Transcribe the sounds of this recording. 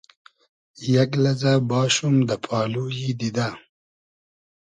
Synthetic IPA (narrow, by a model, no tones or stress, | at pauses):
jaɡlɐzabɑːʃumd̪əpʰɑːlujid̪id̪a